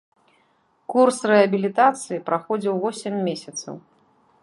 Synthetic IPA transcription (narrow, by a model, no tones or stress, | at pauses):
kursrɨɐbʲilʲit̪at̪sɨjipɾaxɔd͡zʲiwvɔsʲɛmʲːesʲɐt̪sɐ̰w